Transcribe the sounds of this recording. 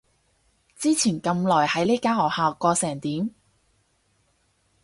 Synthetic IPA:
t͡siː˥t͡sʰiː˨˩nkɐ˧mlɔː˨˩jhɐ˨˥jle˥jkaː˥hɔː˨˩k̚haː˨wkɔː˧sɛː˨˩ŋt̪iː˨˥m

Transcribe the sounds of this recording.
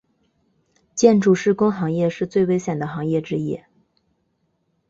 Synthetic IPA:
t͡ɕjɛ˥˧nʈ͡ʂu˥˩ʂɻ̩˥˩kʊ˥ŋxɑ˧˥ŋjɛ˥˧ʂɻ̩˥˧t͡swe˥˩ɪwe˥ɪɕjɛ˨˩nd̪ə˦xɑ˧˥ŋjɛ˥˩ʈ͡ʂɻ̩˥jɛ̰˥˩

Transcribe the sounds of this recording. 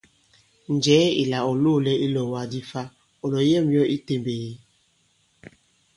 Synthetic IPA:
n̩˨d͡ʒɛː˨˦i˨la˨ɔ˨lo˦˨lɛ˦ʔi˦lɔ˨wa˨di˦fa˦ | ɔ˨lɔ˨˦jɛ˦˨m˦ɔ˦ʔi˦te˨mbe˨ji˦

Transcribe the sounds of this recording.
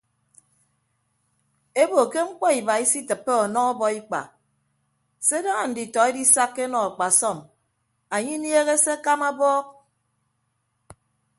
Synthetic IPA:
e˦bo˨ke˦ŋ͡m̩˦k͡pɔ˦i˨ba˨i˦si˦tɨ˨pːe˦ɔ˨nɔ˦ɔ˦bɔ˨i˦k͡pa̰˨ | se˦da˦ŋa˨n̩˨di˨tɔ˨e˦di˦sa˦kːe˦nɔ˨a˨k͡pa˨sɔ˦˨m | a˨ɲi˦nje˦ɣe˦se˦a˦ka˦ma˦bɔː˦k̚

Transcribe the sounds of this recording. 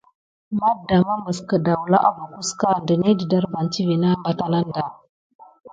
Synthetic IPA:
ma˦da˨ma˦mbə˨skə˨da˨wla̰˦ʔa˦ba˨ku˦ska˦ndə˨ni˦di˨da˦ɾba˨nt͡ʃi˦vi˨na˦mba˦ta˦la˦nda˨

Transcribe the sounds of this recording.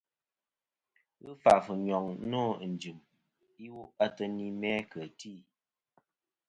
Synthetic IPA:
ɣɨ˦fa˨fɨ˨ɲɔ˨ŋ˦nɔ˦˨n̩˨d͡ʒɨ˨m | i˦wo˦ʔa˦tə˦ni˦mɛ˦kə˨ti˦˨

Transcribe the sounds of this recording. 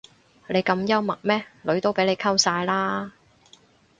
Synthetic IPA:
le˨˧jkɐ˧mjɐ˥wmɐ˨˩k̚mɛː˥lɵ˨˥ɥt̪o˥wpe˨˥jle˨˧jkʰɐ˥wsaː˧jlaː˥

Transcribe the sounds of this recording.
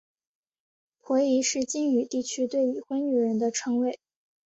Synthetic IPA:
pʰwɔ˧˥i˧˥ʂɻ̩˥˩t͡ɕi˥ny˨˩t̪i˥˩t͡ɕʰy˥t̪we˥˩ɪi˨˩xwə˥ny˧˩ɻə˧˥nd̪ə˧ʈ͡ʂʰɤ˥ŋwe˥˩ɪ

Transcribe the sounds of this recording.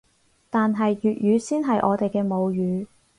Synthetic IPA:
t̪aː˨nɦɐ˨jjyː˨t̚jyː˨˧siː˥nɦɐ˨jʔɔː˨˧t̪e˨jkɛː˧mo˨˧wjyː˨˧˥

